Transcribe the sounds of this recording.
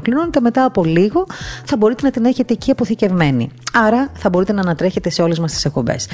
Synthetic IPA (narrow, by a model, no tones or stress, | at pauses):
klino̞net̪e̞me̞t̪ɐːpo̞liɣo̞θɐbo̞ɾit̪e̞nɐt̪ine̞çe̞t̪eciɐpoθice̞vme̞nḭɐɾɐθɐbo̞ɾit̪e̞nɐːnɐt̪ɾe̞çe̞t̪e̞se̞o̞le̞zmɐst̪isek̚po̞be̞̰s